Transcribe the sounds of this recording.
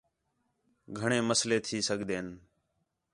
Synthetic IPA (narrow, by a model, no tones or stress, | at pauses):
ɡʱəɳeːməsleːt̪ʰiːsəɠʱd̪eːn